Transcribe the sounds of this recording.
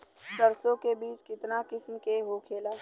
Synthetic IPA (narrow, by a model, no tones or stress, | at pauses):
səɾsõkebiːt͡ʃkɪt̪nakɪsmkeɦokʰeːlaː